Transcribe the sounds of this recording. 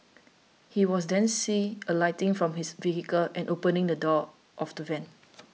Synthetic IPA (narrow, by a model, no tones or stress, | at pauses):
hiwɔs̬dɛ̃nsiəlaɪtɪ̃ŋfɹɔ̃mhisviɦikəlʔɛ̃nʔopə̃nɪ̃ŋdədɔ | ʔɔfdəvɛ̃n